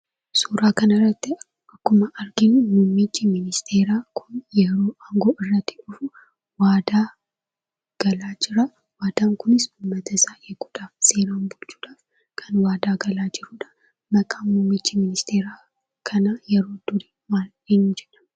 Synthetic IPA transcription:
suːɾaːkɐnɐrːɐt̪ːɪ | ɐkːʊmɐʔɐɾɡɪnmumːɪt͡ʃːɪmɪnɪst̪ʰe̞ːɾaːkʰʊnjɛɾo̞ːʔaŋɡo̞ːʔɪrːɐt̪ːɪ̥ʊfʊ | waːd̪aː | ɡ̥ɐlaːd͡ʒɪɾɐ | waːd̪̥aːŋkʊnɪsʊmːɐt̪ɐsaːʔekuᶑ̪aːfse̞ːɾaːnbʊlt͡ʃːu̥ːᶑaːf | kʰɐnwaːd̪aːɡɐlaːd͡ʒɪɾuːᶑɐ̥ | mɐkʼaːmʊmːɪt͡ʃːɪmɪnɪst̪ʰe̞ːɾaː | kʰɐnajɛɾo̞ːd̪̥ʊɾi | maːl | ɪnːd͡ʒɛᶑɐ̥

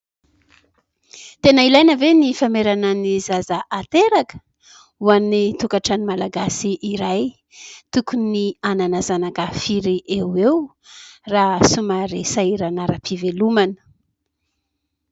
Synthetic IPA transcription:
t̪enəilajnəvenifameɾananizazaʔat̪eɾakə̥ | uanːit̪ukaʈ͡ʂanimalaɡasiʔiɾaj | t̪ukuniananazanakəfiɾiʔewew | rasumaɾesaiɾanaɾəpʰivelumanə̥

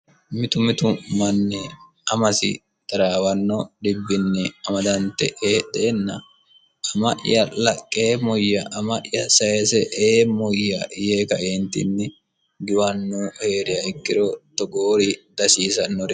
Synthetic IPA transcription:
mɪt̪ʊmɪt̪ʊmɐnːɛ | ɐmɐsɪ̰ | t̪ɐɾaːwɐnːɔɗɪbːɪnːɪɐmɐd̪ɐnt̪ːɛ̰ʔeːd̪ɛɛnːɐ | ɐmɐʔɪ̰jɐlɐkʼːeːmɔjːɐʔɐmɐʔjɐsɐjɛsɛʔeːmɔjːɐ̰jeːkɐʔeːnt̪ɪ̰nːɛ | ɡɪwɐnːɔhe̞ːɾɪɐɪkːɪɾɔt̪ɔɡoːɾɪd̪̥ɐsiːsɐnːɔɾɛ

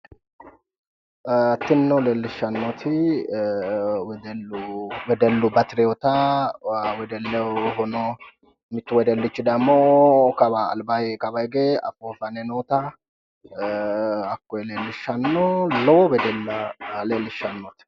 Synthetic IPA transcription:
t̪ɪnːɔlelːɪʃːɐnːɔt̪ʰɪ | wɛd̪ɛlːʊwɛd̪ɛlːʊbɐt̪ɪɾɛɔt̪ɐ | wɛd̪ɛlːɛɦɔnɔ | mɪt̪ːʊwɛd̪ɛlːɪt͡ʃːɪd̪ɐmːokɐbɐ̰ːlbɐjkɐbɐjɡeːɐ̰fofɐnɛnoːt̪ɐ | ɐkːɔjleːlːɪʃːɐnːɔlɔwɔwɛd̪ɛlːɐleːlːɪʃɐnːɔt̪ɪ̥

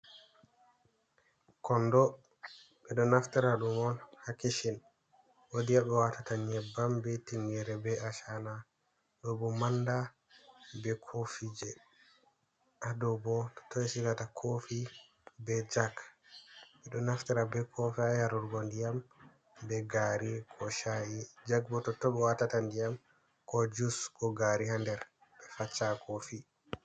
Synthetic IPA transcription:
kɔndɔ | ɓɛɗɔnaftɛɾaɗumɔnhakiʃɛn | wodijaɓɛwatataɲɛbːambɛtiŋɡɛɾɛbɛʔaʃana | ɗɔbɔmanda | bɛkʰofid͡ʒɛ | ʔadɔbɔtɔ̥tɔjɛsikatakʰofi | bɛd͡ʒaɡ | mɛɗɔnaftiɾabɛkʰɔfajaɾuɾɡɔndijam | bɛɡaɾikʰɔʃajid͡ʒaɡ̚bɔtɔtːɔbɛwatatandijam | kɔd͡ʒuskɔɡaɾihandɛɾ | bɛfat͡ʃːakofi

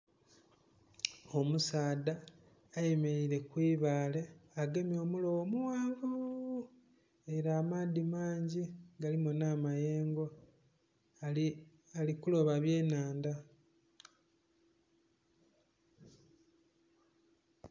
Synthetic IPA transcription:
o̞musaːdaː | je̞me̞ɾiɾe̞kwiːβaːle̞aɡe̞mjo̞ːmulo̞womuwaːvu | e̞ɾaːmaːdimaːɲɟiɡalimonaːmaje̞ːŋɡo̞ | alikulo̞βaβje̞ːnaːnda

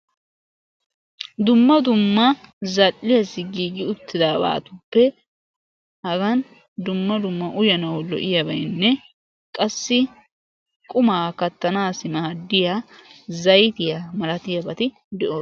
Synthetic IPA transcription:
d̪ʊmːɐd̪ʊmːɐzɐlːɪjɐsɪɡiːɡɪʊt̪ːɪd̪aːba̰ːt̪ʊpːɛ | hɐɡɐn | d̪ʊmːɐd̪ʊmːɐʔʊjɐnɐwɔlɔ̰ʔɪjɐbɐjnːɛ | kʼɐsːɪ | kʼʊmaːkɐt̪ːɐnaːsɪmɐɐd̪ːɪjazɐjt̪ɪjɐmɐlɐt̪ɪjɐbɐt̪ɪ | d̪ɛʔo

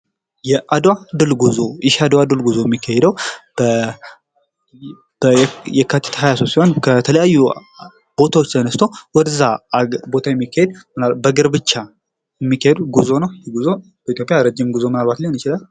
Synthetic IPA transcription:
jɛʔad̪wad̪ɨlɡuzojɪʃad̪wad̪ɨlɡuzojɛmːikʰːahɛd̪əwbə | b̥jɛkʰːat̪ʰːe̥t̪ʰɦajasosiho̞nkʰət̪ʰələjajːu | b̥o̞t̪ʰawo̞t͡ʃːt̪ʰənəst̪ʰowɔd̪əzabo̞t̪ʰajɛmːikːahed̪̚mɨnalbəɡɨɾbɨt͡ʃːa | jɛmːikʰːahed̪uɡuzo̞nəwjɪɡuzo | b̥əit̪jo̞pʼːɪjaɾəd͡ʒːɪmɡuzomɨnalβat̪leɨnjɪt͡ʃɪlal

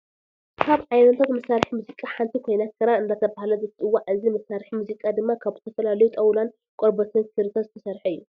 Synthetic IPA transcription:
kʰaβʕajnɐt̪ʰat̪mɐsaɾħimuzikʼaħant̪ʰikʰojnakʰɨɾaɨnd̪at̪ʰɐβahlɐzɨt̪ʼɨwːaʔɨzimɐsːaɾħimuzikʼad̪ɨmːakʰaβzɨ̥t̪ʰɐfɐlalɐjut̪ʼɐwlan | kʼoɾbɐt̪ʰɨnkʰɨɾt̪ʰɐzɨt̪ʰɐsɐɾħɐɨjːu

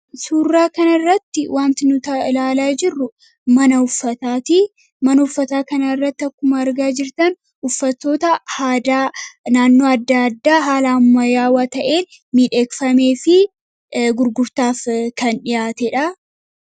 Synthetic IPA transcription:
suːrːaːkɐnɐrːɐt̪ːɪwʔaːnt̪ɪnʊt̪ɐlaːlaːd͡ʒɪrːʊ | mɐnɐʊfːɐt̪aːt̪i | mɐnɐʊfːɐt̪aːkɐnɐɪrːɐt̪ːɪɐkːʊmɐɐɾɡaːd͡ʒɪɾt̪ɐn | ʊfːɐt̪ːo̞ːt̪ɐhaːd̪aːnaːnːo̞ːɐd̪ːaɐd̪ːaːɦaːlaɐmːɐjaːwaːt̪ɐʔe̞ːn | miːᶑe̞ːkfɐme̞ːfɪ | ɡʊɾɡʊɾt̪aːfkɐnᶑɪjaːt̪ɛᶑɐ

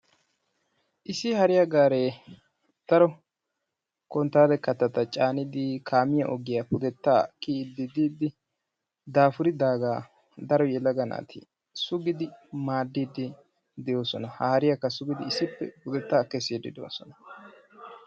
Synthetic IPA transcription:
ʔɪsɪhɐɾɪjaɡaːɾeː | d̪̥ɐɾɔ | kɔnt̪ːaːd̪ɛkɐt̪ːɐt̪ɐt͡ʃʼaːnɪd̪ɪkʰaːmɪjɐ̰ʔɔɡɪjapʊd̪ɛt̪ːaːkid̪ːɪd̪iːd̪ɪ | d̪aːfʊɾɪd̪aːɡaː | d̪ɐɾɔjɛlɐɡɐna̰ːt̪ʰɪ̰ | sʊɡɪd̪ɪmaːd̪ːiːd̪ɪ | d̪ɛjoːsɔnɐhɐhɐɾɪjɐkːɐsʊɡɪd̪ɪɪsɪpːɛ̰pʊd̪ɛt̪ːaːkɛsiːd̪ɪ̰d̪o̰ːsɔnɐ̥

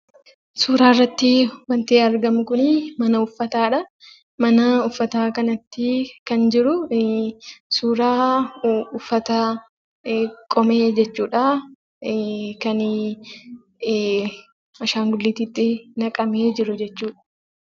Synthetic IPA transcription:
suːɾaːrːɐt̪ːɪwɐnt̪eːɐɾɡɐmʊkʊnmɐnɐʊfːɐt̪aːᶑɐ | mɐnɐʊfːɐt̪aːkɐnɐt̪ːɪkɐnd͡ʒɪɾʊ | suːɾaː | ʊfːɐt̪ɐ | kʼɔmeːd͡ʒɛt͡ʃːuːᶑa | kɐn | ɐʃaːŋɡʊlːiːt̪iːt̪ːɪnɐkʼɐmeːd͡ʒɪɾʊd͡ʒɛt͡ʃːuːᶑɐ

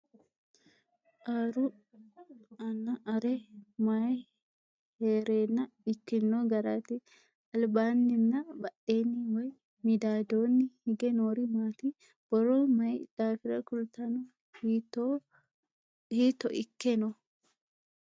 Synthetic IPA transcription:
ʔaɾʊ | ɐnːɐʔɐɾɛmaj | heːɾeːnːɐ | ɪkːɪnːoɡɐɾat̪ɪ | ɐlbaːnːɪnːɐbɐʔeːnːɪwɔj | mɪd̪aːd̪oːnːɪhɪɡɛnoːɾɪmaːt̪ɪ | b̥ɔɾɔmɐjd̪aːfɪɾɐkʊlt̪ɐnɔ | hiːt̪ːɔʔɪkːɛnɔ

